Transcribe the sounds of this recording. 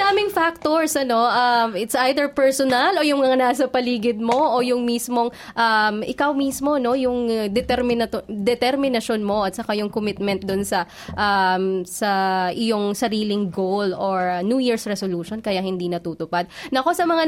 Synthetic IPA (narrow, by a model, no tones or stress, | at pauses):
d̪aːmɪŋfak̚t̪oɹsʔɐno̞ʔɐmɪt̪sʔajd̪ɛɹpɛɹsonalo̞jʊŋmɐŋanaːs̬ɐpɐliːɡɪd̪̚mo̞ʔojʊŋmiːsmo̞ŋ | ʔɐmɪkawmiːsmo̞no̞jʊŋd̪ɛt̪ɛɾmɪnɐd̪ɛt̪ɛɾmɪnɐʃonmo̞ʔɐt̪̚sɐkajʊŋkʊmɪt̪̚mɛnt̪̚d̪ʊnsɐ | ʔamsɐʔɪjoŋsɐɾiːlɪŋɡowloɹnjuːjiɹsɹɛsoluːʃonkɐjahɪnd̪iːnɐt̪uːt̪ʊpad̪̚nɐʔɐko̞sɐmɐŋa